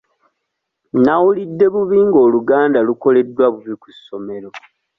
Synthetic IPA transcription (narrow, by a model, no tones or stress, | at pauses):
nawulidːe̞βuβiːŋɡo̞ːluɡaːndaluko̞le̞dwaβuβiku̥sːo̞me̞ɾo